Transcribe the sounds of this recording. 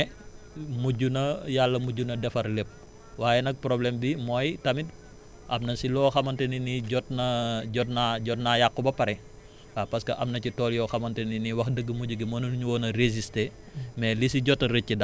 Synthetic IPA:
muɟunɐjalːɐmuɟunɐdɛfɐrlep̚ | waːjɛnɐk̚pɾɔblɛmbimɔːjtɐmit | ʔɐmnɐsilɔːxɐmɐntɛniniɟɔtnɐɟɔtnaɟɔtnajakːubɐpɐɾɛ | apɐskɐʔɐmnɐcitɔːljɔxɐmɐnteniniwɐxdəɡːəmuɟuɡimɔnunɲuwɔːnɐɾeziste | mɛlisiɟɔtːɐɾəcːidɐ

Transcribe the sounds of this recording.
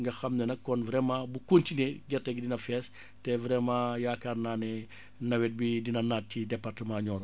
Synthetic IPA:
ŋɡɐxɐmnɛnɐkːɔnvɾɛmãːbukontinɛɡɛrtɛɡidinɐfɛs | tɛvɾɛmãːjakarnaːnɛ | nɐwɛt̚bidinɐnat̚cidɛpartəmãːɲɔːɾɔ

